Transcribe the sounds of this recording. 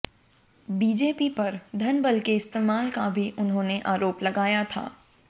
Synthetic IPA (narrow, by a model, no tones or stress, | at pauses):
biːd͡ʒeːpipɐɾd̪ʱɐnbəlkeɪst̪eːmaːlkabʱiʔʊnɦõːneʔaːɾoːplɐɡaːjat̪ʰa̰ː